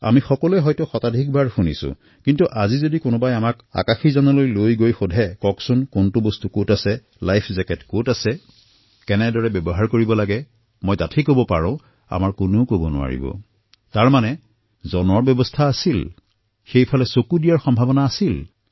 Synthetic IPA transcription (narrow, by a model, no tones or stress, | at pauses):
a̰mixɔkɔlɛɦɔjtɔxɔtadʱik̚bʱaɹxunisʊ̰̃ | kintuʔazizodikʊnʊbajamaka̰kaxizanɔlojlojɡojxɔdʱɛkɔksʊnkontubostukotasɛ | lajpʰzɛkɛtkotasɛ | kɛnɛdɔɹɛbɔbɔɦaɹkoɹibɔlaɡɛ | mɔjdatʰikɦobɔpa̰ɹɔ̃ʊ̃ | a̰maɹkʊnokobɔnʊ̰a̰ɹḭbɔ̰ | taɹmanɛ | zɔnɔɹbjɔbɔstʰaːsil | xejpʰɔlɛsokudijaɹxɔmbʱabɔnaːsil